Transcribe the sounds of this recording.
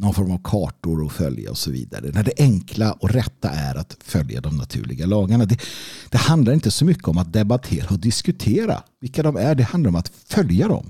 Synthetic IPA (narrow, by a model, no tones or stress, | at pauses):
nɔnfɔɾmavkʰɑːʈʊɾɔfœ̰lja̰ɔsɔvḭːd̪a̰ɾə̰næɖɛʔɛŋkʰlaʔɔɾɛt̪ːa̰ʔæɾʔat̪fœlja̰d̪ɔmnat̪ʰʉ̟ːɭɪ̰ɡalɑːɡaɳad̪ɛd̪̥ɛhand̪laɾɪnt̪əsɔmʏkːəɔmat̪̚d̪ɛbat̪ʰeːɾaɔd̪ɪskɵt̪ʰeːɾa̰vɪlkːad̪ɔmæɖɛand̪aɾɔmat̪fœljad̪ɔ̰m